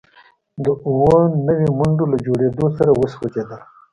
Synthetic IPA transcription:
d̪əuwonəwemʊɳɖolad͡ʒoɽed̪osaɾawəswad͡ʒed̪əl

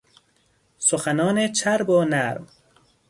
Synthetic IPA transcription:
soxanɒːnet͡ʃʰaɾboːnaɾm

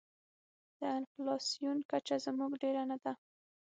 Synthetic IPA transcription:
d̪̥əɪnflɑsijunkat͡ʃazmuɡɖeɾanad̪a

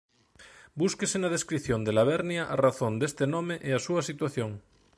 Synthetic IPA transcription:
buskesenað̞eskɾiθjõnd̪elaβ̞eɾnjaʔaraθond̪est̪enõmeʔeasuasit̪waθjõŋ

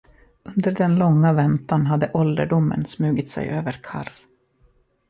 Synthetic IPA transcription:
ɵnd̪əɖɛnlɔŋːavɛnt̪anɦad̪ːəʔɔld̪əɖʊmːə̰nsmʉ̟ːɡɪt̪sɛ̰jʔøːvəɾkʰa̰r

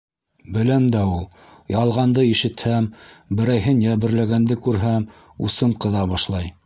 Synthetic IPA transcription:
bɘ̆læmd̪æulˠ | jɑlˠʁɑnd̪ɤiʃɘ̆t̪hæmbɘ̆ɾæjɦɘnjæβɘ̆ɾlæɡænd̪ɘkʉɾɦæm | ṵsɤmqɤ̆ðɑβɑʃlˠɑj

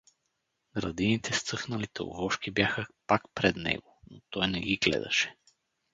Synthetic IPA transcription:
ɡɾɐd̪init̪ʰɛst̪sɤxnɐlit̪ɛo̰vɔʃkibjaxəpakpɾɛd̪nɛ̰ɡonot̪ɔjnɛɡiɡlɛ̰d̪ɐ̰ʃɛ̥

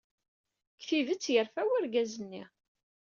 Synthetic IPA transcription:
kθivət͡sːjəɾfæwæɾɡæzənːi

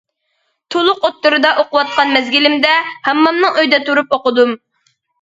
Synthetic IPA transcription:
t̪ʰolˠʊqot̪ːuɾɨd̪ɑʔoqʊwɑt̪̚qɑnmɛzɡʲilɪmd̪ɛhæmːɑmnɨŋøjd̪ɛt̪ʰuɾup̚oqʊd̪um

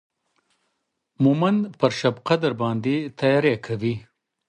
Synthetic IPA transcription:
mumanpəɾʃabqad̪aɾbɑnd̪et̪ajɑɾekʰawi

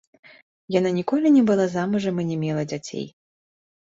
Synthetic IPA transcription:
jananʲikɔlʲinʲɛbɨlˠazamɨʐɐmɨnʲɛmʲɛlˠɐd͡zʲat͡sʲḛj

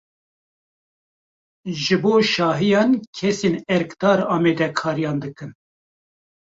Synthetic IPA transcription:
ʒɨboːʃɑːɦijɑːnkʰɛseːnɛɾkd̪̥ɑːɾɑːmɛːd̪ɛkʰɑːɾijɑːnd̪ɨkɨn

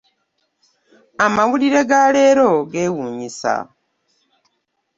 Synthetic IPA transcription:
amawuliɾe̞ɡale̞ːɾo̞ɡe̞ːwuːɲisa̰

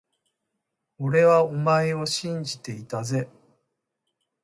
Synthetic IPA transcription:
oɾe̞βaomaeo̞ɕĩɲ̟d͡ʑit̪e̞it̪aze̞

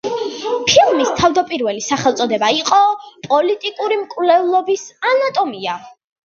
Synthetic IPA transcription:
pʰilˠmist̪ʰavd̪apʼiɾvɛlisaχɛlˠt̪sʼɔd̪ɛbaiqʼɔpʼɔlit̪ʼikʼuɾimkʼvlɛvlˠɔbisanat̪ʼɔmia

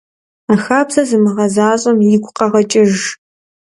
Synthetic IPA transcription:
aːxaːbzɐzɨmɨʁɐzaːɕʼɐmjɪɡʷʼqɐʁɐt͡ʃʼɪʒ

